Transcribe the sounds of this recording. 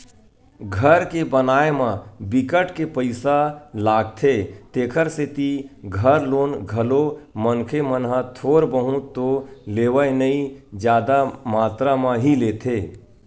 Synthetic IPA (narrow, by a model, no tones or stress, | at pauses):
ɡʱəɾkebənaːemãbɪkəʈkepəɪsalaːɡ̚t̪ʰet̪eːkʰəɾset̪iɡʱəɾloːnɡʱəlomənkʰemənɦãt̪ʰoːɾbəɦũt̪oleːʋəenəĩd͡ʒjaːd̪amaːt̪ɾamãɦileːt̪ʰeː